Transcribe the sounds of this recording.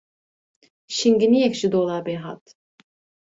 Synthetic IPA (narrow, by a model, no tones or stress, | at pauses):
ʃiŋɡinijɛkʃid̪oːlˠaːbɛɦa̰t̪